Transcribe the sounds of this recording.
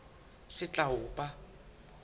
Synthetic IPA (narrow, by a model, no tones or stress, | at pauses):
sɪt͡ɬʼaʊːpʼa